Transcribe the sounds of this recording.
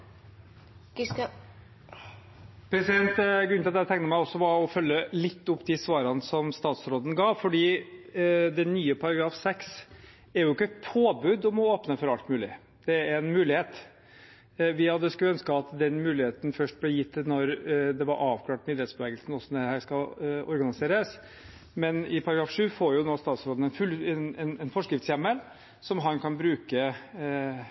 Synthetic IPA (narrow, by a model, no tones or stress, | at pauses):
pʰɾɛsɪd̪ɛnt̪ɡʉnt̪ɑæt̪ʰɛŋk̪t̪əmæɪɔsːɔʋɑɾɔfœlːəlɪt̪ːʊpːd̪ɪsʋɑːɾɑnsɔmst̪ɑːt̪sɾoːd̪ən̩ɡɑːʋfɔɖiː | d̪ɛnːyːəpʰɑɾɑɡɾɑːfsɛks | æɾjʊɪkːəɛt̪pʰoːbʉd̪ɔmɔoːpnəfɔɾɑlt̪mʉːlɪ̰ | d̪̥ɛæɾɛnmʉːlɪheːt̪ | ʋɪhɑd̪ːəskʉœnskəɑt̪d̪ɛnmʉːlɪheːt̪ən̩fœʂʈ̚blɛjɪt̪ːnɔɾd̪ɛʋɑɾʔɑːʋkʰlɑːʈmɪd̪ɾeːt̪sb̥əʋɛːɡəlsn̩ɔsːɔmd̪ɛhæːʂkɑlɔ̰ɾɡɑnɪseːɾəs | mɛnɪpʰɑɾɑɡɾɑːfʂʉːfoːɾjʊnoːst̪ɑːt̪sɾoːd̪n̩ɛnfʉlɛnɛnɛnfɔʂkɾɪft̪sjɛmːəl | sɔmɦɑnkʰɑnbɾʉːkə